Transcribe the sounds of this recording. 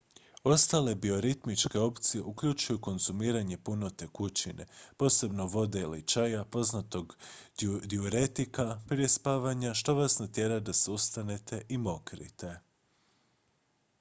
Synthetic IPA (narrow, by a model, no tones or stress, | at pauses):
o̞st̪ale̞bio̞ɾit̪mit͡ʃke̞o̞pt̪sije̞ʔukʎut͡ʃujuko̞nz̥umiːɾaɲe̞puno̞t̪e̞kut͡ɕine̞̰po̞ːse̞bno̞ʋo̞d̪e̞ilḭt͡ʃajapo̞znat̪o̞ɡ | d̪iuɾet̪ikapɾie̞spaːʋaɲaʃt̪o̞ʋasnat̪je̞ɾad̪aseust̪ane̞t̪ʰe̞ʔimo̞kɾḭt̪e̞